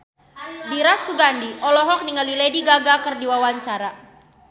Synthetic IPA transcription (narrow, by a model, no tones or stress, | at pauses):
diɾasuɡandiʔɔlɔɦɔk̚niŋalilediɡaɡakərdiwawaɲt͡ʃaɾa